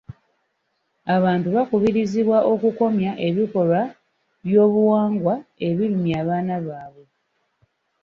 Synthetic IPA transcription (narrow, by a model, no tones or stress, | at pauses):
aβaːntuβakuβiɾiziβwaʔo̞kuko̞mjaʔe̞βiko̞lwa | βjo̞ːβuwaːŋɡwae̞βilumjaːβaːnaβaːβwe̞